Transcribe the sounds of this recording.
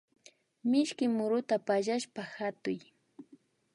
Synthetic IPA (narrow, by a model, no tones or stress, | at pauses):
mɪʃkɪmʊɾʊt̪apaʒaʃpahat̪ʊj